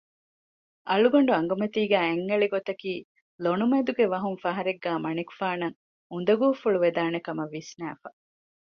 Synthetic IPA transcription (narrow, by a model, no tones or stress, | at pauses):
ʔɐluɡoɳɖuɐŋɡɐmɐt̪iːɡæːeŋːɐɭiɡot̪ɐkiː | lonumed̪uɡeʋɐɦuŋfɐɦɐɾeɡːæːmɐniku̥faːnɐŋ | und̪ɐɡuːfuɭuʋed̪aːnekɐmɐʋːisnæ̰ːfɐ